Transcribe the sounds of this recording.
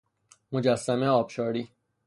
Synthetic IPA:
mod͡ʒæsːæmeɒːbʃɒːɾiː

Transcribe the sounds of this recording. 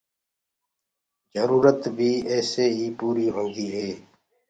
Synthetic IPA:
zəɾuːɾət̪bʱiːɛːseːɦiːpuːɾiːɦõːnɡ̪iːɦeː

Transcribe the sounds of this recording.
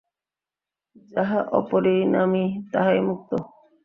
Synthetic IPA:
d͡ʒaɦaʔɔ̰poɾenamit̪aɦaemuk̚t̪o

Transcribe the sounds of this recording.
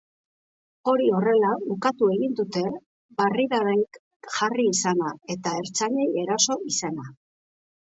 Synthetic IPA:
o̞ɾio̞re̞laukat̪ue̞ɣind̪ut̪e̞ | bariɾaɾeŋk | ʝariːsanae̞t̪ae̞ɾt͡saʎe̞je̞ɾaso̞ʔisana

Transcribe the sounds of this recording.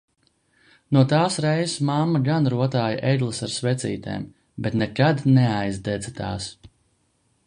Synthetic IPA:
nuɔt̪aːsɾɛjsmamːaɡanɾuɔt̪aːjaʔɛjɡ̪lˠasaɾsvɛt̪sḭːt̪ḛːm | bɛt̪nɛkad̪nɛajzd̪ɛd̪zat̪aːs

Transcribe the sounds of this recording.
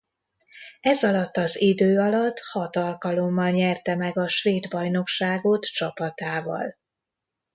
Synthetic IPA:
ɛzɒlɒt̪ːɒzid̪øːɒlɒt̪ːhɒt̪ɒlkɒlo̞mːɒlɲɛrt̪ɛmɛɡɒʃʋeːd̪bɒjno̞kʃaːɡot̪t͡ʃɒpɒt̪aːvɒ̰l

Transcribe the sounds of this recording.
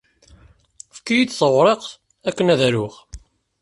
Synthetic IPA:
fkːijid̪θəʁɾˤeq | ækːənæðæɾʊχ

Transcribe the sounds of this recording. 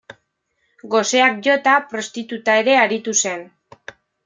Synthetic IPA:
ɡo̞se̞ak̚ʝo̞t̪apɾo̞st̪it̪ut̪ae̞ɾe̞aɾit̪use̞n

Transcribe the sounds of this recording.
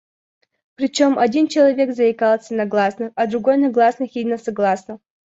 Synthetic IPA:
pɾʲɪt͡ɕo̞mʔɐdʲint͡ɕɪlˠɐvʲe̞kzɐɪkalˠsʲənɐɡlˠasnɨxɐd̪ɾʊɡo̞jnɐɡlˠasnɨxʲidʲɪnəsɐɡlˠasnɨ

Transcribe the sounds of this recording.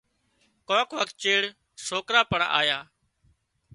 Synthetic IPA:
kõːkʋək̚t̪̚t͡ʃeːɽ | soːkɾaːpəɳa̰ːjaː

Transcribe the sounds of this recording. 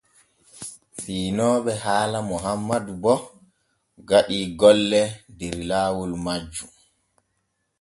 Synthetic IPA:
fiːnɔːɓɛhaːlamɔɦamːadubɔ | ɡaɗiːɡɔlːɛndeɾilaːwulmad͡ʒːu

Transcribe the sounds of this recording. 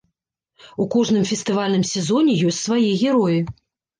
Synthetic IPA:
ukɔʐnɨmfʲɛst̪ɨvalʲnɨmsʲɛzɔnʲɛjɔsʲtʲsvajiɣʲɛɾɔji

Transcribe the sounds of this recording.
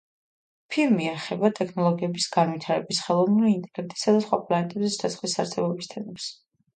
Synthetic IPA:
pʰiɾmiɛχɛbat̪ʼɛkʰnɔlˠɔɡiɛbisɡanwit̪ʰaɾɛbisχɛlˠɔvnuliːnt̪ʼɛɡɾnɛt̪ʼi̥sad̪asχwapʼlˠaɛt̪ʼɛbzɛsd̪ʰasχlisaɾsɛbɔbist̪ʰɛnɛps

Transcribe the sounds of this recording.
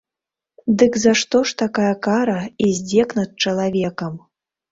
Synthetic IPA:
d̪ɨkzaʂt̪ɔʂt̪akajɐkaɾɐizʲd͡zʲɛknɐt̪̚t͡ʂɐlˠavʲɛkɐm

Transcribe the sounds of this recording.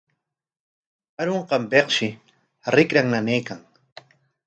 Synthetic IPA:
aɾoɴqɑmpeqʃɪ | ɾɪkɾaŋnanejkaŋ

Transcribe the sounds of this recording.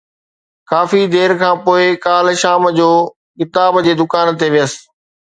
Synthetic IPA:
kaːfid̪eːɾkʰãːpoːɪkaːlʃaːmd͡ʑoː | kɪt̪aːbd͡ʑeːd̪ʊkaːnt̪eʋijəs̆

